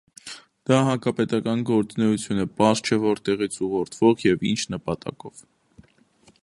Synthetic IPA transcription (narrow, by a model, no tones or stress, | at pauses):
d̪̥ɑɦɑkɑpɛt̪ɑkɑnɡɔɾt͡sunɛjut͡sʰjunəpɑst͡ʃʰɛvɔɾt̪ɛʁit͡sʰuʁɔɾt̪ʰv̥ɔʁjɛvint͡ʃʰnəpɑt̪ɑ̰kɔv̥